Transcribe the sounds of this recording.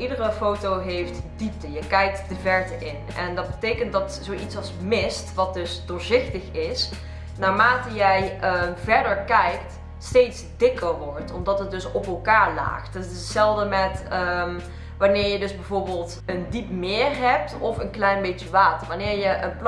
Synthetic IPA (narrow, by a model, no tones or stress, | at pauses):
ʔidərəfowtowɦejftdip̚təjəkɛjk̚tdəvɛɹtəʔɪn | ɛndɑd̚bətejkənt̚dɑtzowʔitsɑlˠsmɪstʋɑt̚dɵsdʊːɹzɪxtəxɪs | naːɹmaːtəjɛjəvɛɹdəɹkɛjkt | stejtsdɪkəɹʋɔɹtɔmdɑtɦət̚dɵsɔpɛlˠkaːɹla̰ːxtəəsɛlˠvdəmɛtəm | ʋaːnɪːɹjədɵzbɛjvoːɹbɪːlˠt | əndipmɪːrɦɛp̚tɔfənklɛjnbet͡ʃəʋaːtəɹʋaːnɪːɹjəʔənpl